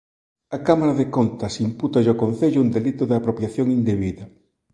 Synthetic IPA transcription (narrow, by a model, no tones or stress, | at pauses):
ɐkamaɾɐðekont̪ɐsimput̪ɐʎɔkon̟θeʎʊund̪elit̪ʊðɪapɾopjaθjoŋind̪eβiðɐ